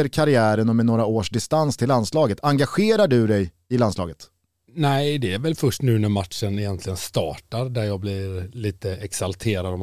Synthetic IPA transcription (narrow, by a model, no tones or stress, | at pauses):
əɾkʰaɾɪæːɾənɔmɛnoːɾaoːʂɖ̪ɪst̪anst̪ʰɪlːand̪slɑːɡət̪ʰaŋɡaɧeːɾaɖɵd̪ɛj | ɪlanslɑ̰ːɡət̪ | næɪd̪ɛæɾvɛlfœʂʈnʉ̟ːnæɾmat̪ʂənɪjɛnt̪ʰlɪɡənst̪ɑ̰ːʈaɾd̪æɾjɑːɡblɪɾliːt̪əɛksalt̪ʰeːɾad̪ɔm